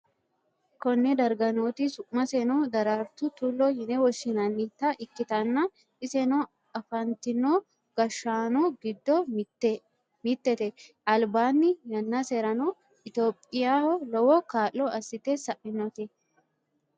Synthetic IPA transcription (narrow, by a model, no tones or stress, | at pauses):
kɔnːɛd̪ɐɾɡɐnoːt̪isʊʔmɐsɛnoːd̪ɐɾaːɾt̪ʊt̪ʊlːoːhɪnɛwɔʃɪnɐnːit̪ːaʔɪkːɪt̪ɐnːa | ɪsɛnoː | ɐfɐnt̪ɪnːoː | ɡ̥ɐʃːaːnoːɡɪd̪ːɔ | mɪt̪ːɛt̪ɛ | ɐlbaːnːɪjɐnːasɛɾɐnoː | ɪt̪oːpʼːɪjaːhɔlɔwɔkaːlːɔɐsɪt̪eːsɐʔɪnːɔt̪ɛ